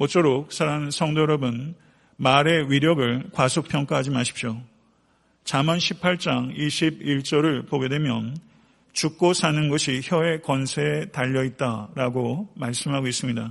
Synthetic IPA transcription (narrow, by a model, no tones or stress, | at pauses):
mot͡ɕ͈oɾok̚sʰaɾansʰʌŋdʌɾʌbɯn | maɾe̞wɥiɾjʌɡɯɭkwasʰok̚pʰjʌŋk͈aɦad͡ʑimaɕʰi̥p̚ɕ͈jo | t͡ɕamʌnɕʰipʰaɭt͡ɕ͈aŋiɕʰibiɭt͡ɕ͈ʌɾɯɭpoɡe̞dwe̞mjʌn | t͡ɕuk̚k͈osʰanɯnɡʌɕʰiçjʌe̞kwʌnsʰetaʎːʌit̚t͈aɾaɡomaɭs͈ɯmɦaɡois͈ɯmɲida